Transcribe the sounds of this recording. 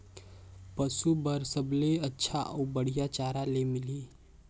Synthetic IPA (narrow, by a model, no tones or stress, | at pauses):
pəsubəɾsəbleətːʃʰaʔɔbəɽ̤ijat͡ʃaːɾalemɪli